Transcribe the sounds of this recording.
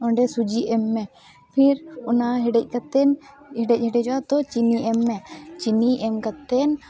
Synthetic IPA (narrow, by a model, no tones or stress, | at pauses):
ɔɳɖɛsud͡ʒiʔɛmːɛ | pʰiɾɔnaɦɛɖɛc̚ˀkat̪ɛn | hɛɖɛc̚hɛɖɛd͡ʒɔat̪ɔt͡ʃiniʔɛmːɛt͡ʃiniʔɛmkat̪ɛn